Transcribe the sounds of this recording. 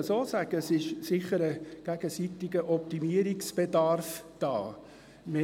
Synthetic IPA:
əsoːsæɡ̥əsɪʃsɪχəɾəɡ̥æɡ̥əsit̪ɪɡəʔɔp̚t̪imiəɾɪksb̥edɑrfd̥ɑ̰ː | me

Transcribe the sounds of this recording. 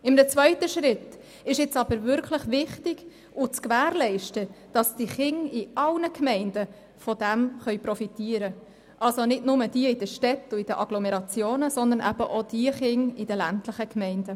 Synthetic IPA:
ɪmnət͡svœʏtəʃɾɪt | ɪʃɪt͡sɑb̥əɾvʏɾkʰləχʋɪχtɪɡ̥ | ʊt͡skʋæːɾlɛɪʃtəd̥ɑsd̥iχɪŋɪɑlnəkʰmɛɪndə | fɔdæmχœɥpɾɔfitiːəɾə | ʔɑlsonɪdnʊməd̥iəɪd̥əʃtɛtːʊɪd̥əʔɑɡ̥lɔmɛɾɑt͡sjoːnəsɔnd̪ənʔæbəʔɔd̪̥iəχɪŋɪdəlæntləχəkʰmɛɪndə

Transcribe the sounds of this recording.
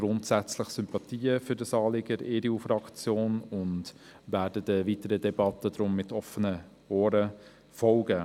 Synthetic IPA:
ɡ̥ɾʊntsæt͡sləχsʏmpɑt̪iːəfʏdəsɑːlɪɡəɾeːɾiuːfɾɑkt͡sjoːnʊntʋæːdədəviːtəɾədɛbɑtəd̪ɾʊmːɪtʰɔfənə | oːɾə | fɔlɡə

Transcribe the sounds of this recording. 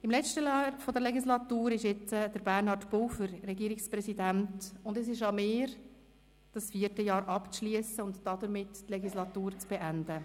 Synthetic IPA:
ɪmlɛt͡ʃtəlɑːɾfodəɾlɛɡislɑtuːɾɪʃɪt͡səd̥əɾbæɾnhɑtb̥ɔlfəɾɾɛɡiːəɾɪkspɾɛsidæntʊndɛs̬ɪʃɑmɪːɾ | d̥ɑsfiəɾtəjɑːɾʔɑpt͡sʃliəsəʊntd̥ɑdəɾmɪttlɛɡislɑt̪uːɾt͡sb̥eʔændə

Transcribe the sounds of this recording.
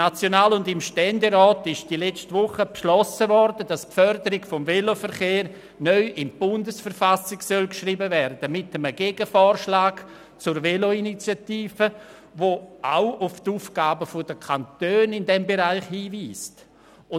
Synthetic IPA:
nat͡sjonaːlʊndɪmʃtɛndeɾɔːtɪʃd̥ilɛt͡stvʊχəpʃlɔsəvɔɾdədaspfœɾdəɾɪɡfomvelofəɾχeːɾ | nœʏʔɪnb̥ʊndəsfəɾfasɪksœlkʃriːbəvɛɾdəd̥əmɪtəməɡeɡəfɔːɾʃlaːɡ̥ | t͡sʊɾveloinit͡sjatiːfə | voʔaʊʊftuːfɡ̥aːbəfodəkʰantøːnɪndɛmbeɾaɪχhiːviːst | ʊ

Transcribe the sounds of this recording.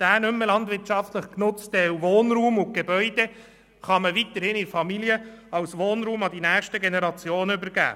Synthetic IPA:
d̪̥æːnʏmːəlɑndvɪɾtt͡ʃɑftləχknʊt͡stɛwvoːnɾuːmʊɡ̥ebœʏd̥e | χɑməʋit̪əɾhɪnɪfɑmiliəɑwsʋoːnɾuːmɑdinæːχʃtəɡenɛɾɑt͡sjoːnəybəɾɡæ̰ː

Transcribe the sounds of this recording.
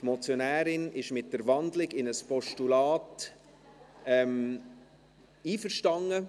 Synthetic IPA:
tmɔt͡sjonæːɾɪnɪʃmɪt̚d̥əɾʋɑndlɪɡɪnəspɔʃtulaːt | ɛm | iːfəɾʃtɑŋːə

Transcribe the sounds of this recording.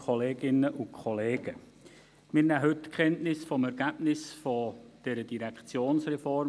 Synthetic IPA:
kʰɔleːɡ̥ɪnəʔʊnkʰχɔleːɡ̥ə | mɪɾnæɦʏtkχɛntnɪsfɔmɛɾɡ̥æb̥nɪsfɔd̥ɛɾəd̥iɾɛkt͡sjoːnsrɛfɔr

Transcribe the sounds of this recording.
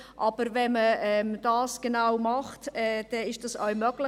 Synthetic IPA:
ʔɑb̥əɾvɛməɛmd̥ɑːsɡ̥ənaʊmɑχtɛd̥ɛɪʃd̥ɑsœʊmœɡ̥lɪ

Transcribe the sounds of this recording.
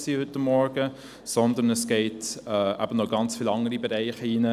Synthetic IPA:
sihʏtamːɔɾɡə | sɔnd̪ənəsɡ̥ɛɪtɛʔæ̰b̥ənɔɡɑnt͡sfiːlɑŋəɾibɛɾɛɪχəinə

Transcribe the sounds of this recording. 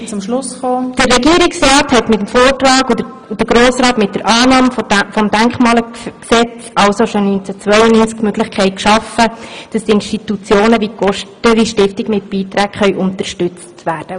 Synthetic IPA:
t͡sʊmʃlʊsχoːd̥ərːɛɡiːəɾɪksrɑːthɛtmɪtəmfoːrtrɑːɡudə | d̥əɾɡɾoːsɾɑːtmɪt̚d̥əɾʔɑːnɑːmffɔmdæŋkχmɑːlksɛt͡sɑlsoʃonynt͡sæt͡sʋœjənyːnt͡skmøɡ̥lɪχkʰχɛɪt̚kʃɑfəd̥ɑstiɪnʃtitut͡sjoːnəviːɡ̥ɔʃtəɾiʃtɪftɪɡ̥mɪt̚b̥iːtɾæːkχœʏʔʊntəɾʃtʏt͡stʋæːrd̥ə

